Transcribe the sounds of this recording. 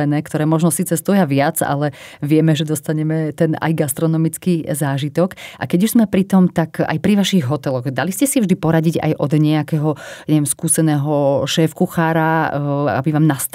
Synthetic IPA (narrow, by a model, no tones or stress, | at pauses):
ɛnɛːkt̪ɔɾɛːmɔʒnɔsiːt͡sɛst̪ɔjaʋɪad͡za̰lɛʋɪɛmɛʒɛd̪ɔst̪aɲɛmɛt̪ɛna̰jɡast̪ɾɔnɔmit͡skizaːʒit̪ɔkʔa̰kɛɟuʒzmɛpɾit̪ɔmt̪aka̰jpɾiʋaʃiɣɦɔt̪ɛlɔɣd̪aliscɛsivʒd̪ipɔɾaɟiɟa̰jʔɔd̪ɲɛakɛɦɔɲɛʋjɛmskuːsɛnɛːɦɔʃɛːfkuxaːɾaa̰biʋaːmnast̪